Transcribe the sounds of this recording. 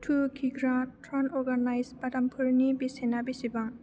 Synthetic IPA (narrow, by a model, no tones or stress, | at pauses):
tʰuɡʰiɡɾatɾanɔɾɡanajsbadampʰuɾnibisenabisibaŋ